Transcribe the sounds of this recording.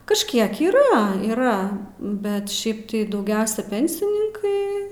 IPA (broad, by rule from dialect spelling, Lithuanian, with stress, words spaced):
kɐʃʲˈkʲiɛk iːˈrɐ iːˈrɐ bʲɛt ˈʃʲɛɪp tɐɪ dɐʊˈɡʲɛʊsʲɛ ˈpʲɛnʲsʲɪnʲɪŋkɐɪ